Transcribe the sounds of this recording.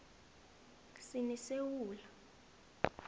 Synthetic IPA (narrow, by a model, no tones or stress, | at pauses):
sinisewuːla